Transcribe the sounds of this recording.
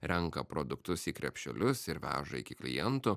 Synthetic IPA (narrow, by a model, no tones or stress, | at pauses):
ɾʲɛŋkɐpɾoːd̪ʊkt̪ʊsiːkɾʲɛpʲʃʲɛ̰lʲʊsɪɾʋʲæ̰ːʒɐɪkʲɪklʲɪ̰jɛnt̪ʊ